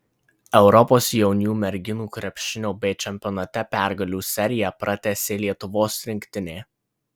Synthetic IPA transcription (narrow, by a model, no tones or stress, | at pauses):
ɛʊɾɔpoːsjɛʊnʲuːmʲɛɾʲɡʲɪnuːkɾʲɛpʲʃʲɪnʲuːbʲɛɪt͡ʃʲɛmʲpʲɔnɐt̪ʲɛpʲæˑɾɡɐlʲuːsʲɛɾʲɪjɛpɾɐt̪ʲæsʲeːlʲiɛt̪ʊʋoːsɾʲɪŋʲkʲt̪ʲɪnʲeː